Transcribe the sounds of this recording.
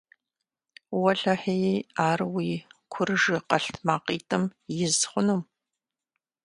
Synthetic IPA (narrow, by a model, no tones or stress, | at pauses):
wɐɬɐħejiaːrwiːkʷʰʊrɨʒɪqɐɬtʰmaːqiːtʰʼɨmjɪzχʷʊnɨm